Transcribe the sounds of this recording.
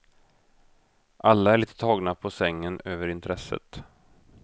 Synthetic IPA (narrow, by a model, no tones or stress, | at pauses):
ʔalːaæɭiːt̪ʰə̥t̪ʰɑːɡnapʰɔsɛŋːənøːvəɾɪnt̪ʰɾɛsə̰t̪